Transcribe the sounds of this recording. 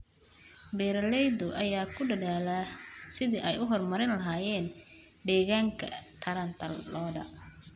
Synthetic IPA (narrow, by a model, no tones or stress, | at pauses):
bɛːɾɐlɛjd̪ʊʔɐjaːkʰʊɖɐðaːlasɪðiʔɛjʊɦɔrmɐɾɪnlɐɦaːjɛːn | ɖ̪ɛːɣaːŋkʰɐ̰t̪ʰɐɾɐnt̪ʰɐlːɔːdɐ̰